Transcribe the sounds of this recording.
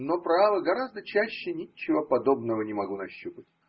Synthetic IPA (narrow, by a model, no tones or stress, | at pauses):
nopɾavəɡɐɾazd̪ət͡ɕæɕːɪnʲɪt͡ɕːɪvəpɐd̪o̞bnəvənʲɪmɐɡunɐɕːupətʲ